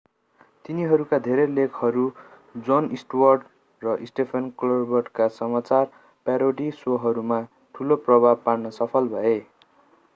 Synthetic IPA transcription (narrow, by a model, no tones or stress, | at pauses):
t̪iniɦʌɾukad̪ʱeɾelekʰhʌɾu | d͡zonisʈwʌrɖ | rʌʔisʈepʰʌnklʌrbʌrʈkasʌmat͡sar | paɾoɖisoɦʌɾuma | ʈʰuloprʌbʱab̚parnʌsʌpʰʌlbʱʌe